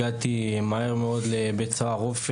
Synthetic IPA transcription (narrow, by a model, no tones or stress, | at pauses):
at̪imaeʁmeod̪lebet͡saaʁof